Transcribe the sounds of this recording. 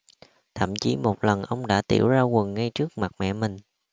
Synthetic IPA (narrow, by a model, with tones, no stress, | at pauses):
t̪ʰə̰˧˨mt͡ɕi˧˩mo˨˩t̚lə˨˩nʔə˧wŋ͡mɗa̰ː˧˥t̪ḭ˧˩əwzaː˧kə˨˩nŋa˧jt͡ɕɨ˦˥ək̚ma˨˩mɛ̰˧˨mï˨˩ŋ̟